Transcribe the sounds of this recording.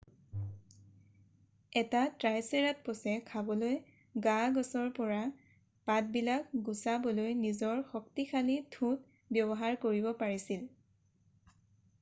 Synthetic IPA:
ɛtatɹajseɹat̚pɔsɛkʰabɔloj | ɡaɡɔsɔɹpɔɹa | pat̚bilak̚ɡusabɔlojnizɔɹxɔk̚tixʰalitʰut̚ | bjɔbɔɦaɹkoɹibɔpaɹisil

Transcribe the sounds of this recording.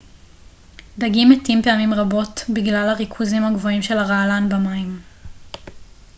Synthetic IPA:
d̪aɡimetimpe̞amimʁabo̞tbiɡlalhaʁikʰuzimhaɡvo̞imʃe̞laʁaːlanbamaim

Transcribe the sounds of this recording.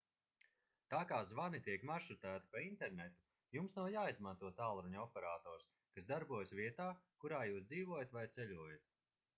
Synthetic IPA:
t̪aːkaːzvanit̪iɛkmaʃut̪æːt̪i̥paint̪ɛɾnɛt̪u | jumsnawjaːizmant̪uɔt̪aːlˠɾuɲɔpɛɾaːt̪ɔːɾs | kasd̪aɾbuɔjsvʲiɛt̪aːkuɾaːjuːsd̪ziːvuɔjat̪vajt̪sɛʎʲuɔjat̪̚

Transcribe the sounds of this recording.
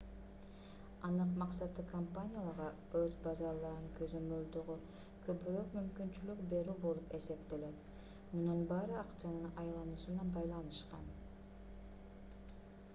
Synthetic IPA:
ɑnɯqmɑqsɑt̪ɯkʰɐmpanʲijalˠɑɾʁɑ | øzbɑzɑɾlˠɑɾɯŋkʰø̞zø̞mø̞ld̪øʁy | kʰøpyɾøkmymkynt͡ʃylykbe̞ɾybo̞lˠupe̞se̞pt̪e̞le̞t̪ | munɑnbɑːɾɯɑqt͡ʃanɯnɑjlˠɑnuːsunɑbɑjlˠɑnɯʃqɑ̰n

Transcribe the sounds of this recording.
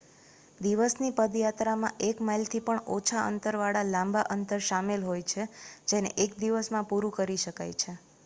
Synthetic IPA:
d̪iʋəsnipəd̪jat̪ɾamãʔekmailt̪ʰipəɳot͡ʃʰaʔə̰nt̪əɾʋaɭalãmbaʔənt̪əɾʃamelɦojt͡ʃʰed͡ʒenḛʔek̚d̪iʋəsmãpuɾũkəɾiʃəka̰jt͡ʃʰe

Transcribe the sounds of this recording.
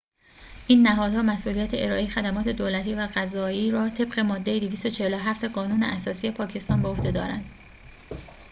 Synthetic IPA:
ʔiːnːæɦɒːd̪hɒːmæsʔuːlijæt̪ʰeʔeɾɒːʔejexæd̪æmɒːt̪ʰe̞d̪oːlæt̪ʰiːvæɣæzɒːiːɾɒːt̪ʰe̞bɢe̞mɒːd̪ːe̞jed̪iviːst̪ot͡ʃʰe̞heloɦæft̪e̞ɢɒːnuːneʔæsɒːsije̞pʰɒːcʰe̞st̪ɒːnbehohd̪e̞d̪ɒ̰ːɾæ̰nd̪̥

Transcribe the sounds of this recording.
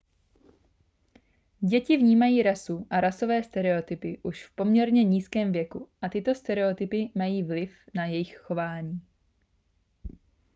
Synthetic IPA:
ɟɛcɪvɲiːmajiːɾasuʔaɾaso̞vɛːst̪ɛɾɛo̞t̪ɪpɪʔuʃfpo̞mɲɛɾɲɛɲiːskɛːmvjɛkuʔat̪ɪt̪o̞st̪ɛɾɛo̞t̪ɪpɪmajiːvlɪfnajɛjɪxxo̞vaːɲiː

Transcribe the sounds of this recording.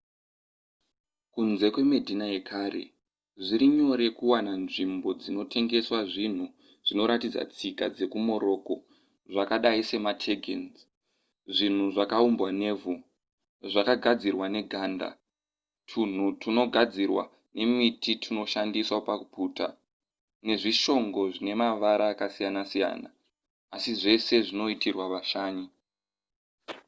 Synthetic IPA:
kunze̞kwe̞medʱinae̞kʰaːre̞̰ | ʐiɾiɲo̞ɾe̞kuwananʐimbo̞d͡zino̞tʰe̞ŋɡe̞swaʐin̤u | ʐino̞ɾatid͡za̰t͡sika̰d͡ze̞kumo̞ɾo̞ːko̞ | ʐakaɗaise̞matʰe̞ɡʱḛnz | ʐin̤uʐakaumbwane̞ːvu | ʐakaɡʱad͡zirwane̞ɡʱanda̰ | tʰun̤utino̞ɡʱad͡zirwa̰ | ne̞mititʰino̞ʃandiswapakupuːta̰ | ne̞ʐiʃo̞ŋɡo̞ʐine̞maʋaɾaːkasijanasija̰ːna̰ː | siʐe̞se̞ʐino̞itʰirwaʋaʃaːɲu

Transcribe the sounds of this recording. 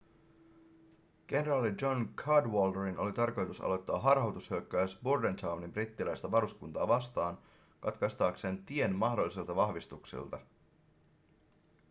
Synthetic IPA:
ɡ̥e̞neɾɑːlid͡ʒo̞nkʰɑdʋoldeɾinʔo̞̰lit̪ɑrko̞jt̪usɑ̰lo̞jt̪ːɑːɦɑrhɑwt̪ushøkːæːsburdent̪ʰɑwnimbrit̪ːilæjst̪ɑʋɑɾuskunt̪ɑːʋɑst̪ɑːn | kɑt̪kɑst̪ɑːkse̞ːnt̪ie̞nmɑhdo̞lːisilt̪ɑʋɑhʋist̪uksḭlt̪ɑ

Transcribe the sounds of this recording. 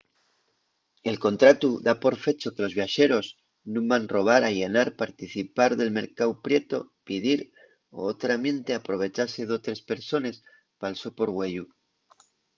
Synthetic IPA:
e̞lko̞nt̪ɾat̪uðapo̞ɾfe̞t͡ʃo̞ke̞lo̞zβjaʃe̞ɾo̞z | nũbanro̞β̞aɾaʝe̞naɾpaɾt̪iθipaɾðe̞lme̞ɾkawpɾje̞t̪o̞pið̞iɾ | o̰ot̪ɾamjẽ̞nt̪e̞apɾo̞β̞e̞t͡ʃase̞ðo̞t̪ɾe̞spe̞ɾso̞ne̞s | palso̞po̞ɾɣwe̞ʎu

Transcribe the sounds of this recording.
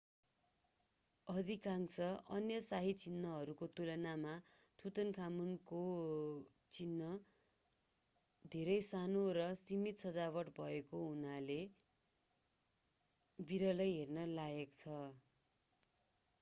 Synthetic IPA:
ʌd̪ʱikaŋsʌʔʌnjʌsaɦit͡sinːʌɦʌɾukot̪ulʌnamat̪ʰut̪ʌnkʰamunko | t͡sinːʌ | d̪ʱeɾʌjsanoɾʌsimit̪sʌd͡zabʌʈbʱʌekoɦunale | biɾʌlʌjɦernʌlaɡʌkt͡sʰʌ

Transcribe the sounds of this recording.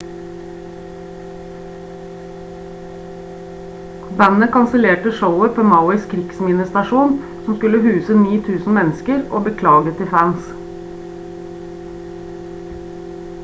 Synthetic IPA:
bænəkʰɑnsəleːʈəʃəʊəpʰoːmɑʊɪskʰɾɪksmɪnəst̪ɑʃuːn | sɔmskʉləhʉːsəniːt̪ʰʉːsn̩mɛnəskəɾʔo̰ːbəkʰlɑːɡət̪ʰɪfæns

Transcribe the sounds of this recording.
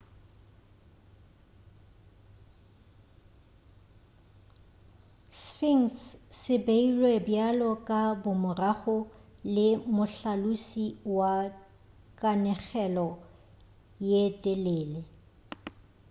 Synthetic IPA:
sfiŋssɪbeilwebjalɔkʼabʊmʊraχʊlɪmʊɬalusiwa | kʼanɛɣɛlɔ | jetʼeleːle

